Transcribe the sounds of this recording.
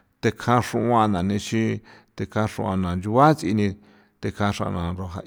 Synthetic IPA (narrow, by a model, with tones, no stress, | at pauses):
t̪e˧kʰã˧ʂũ˧ʔã˧nã˨nĩ˧t͡ʃi˦t̪e˧kʰã˧ʂṵ̃˧ã˧nã˨nd͡ʒu˧βa˦t͡si˧nĩ˧ | t̪e˧kʰã˧ʂã̰˧nã˨ɾo˧ɦa̰˧